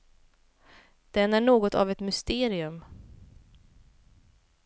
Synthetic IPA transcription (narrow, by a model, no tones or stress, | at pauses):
d̪̥ɛnæɳoːɡɔt̪ʰa̰vɛt̪mʏst̪eːɾɪɵm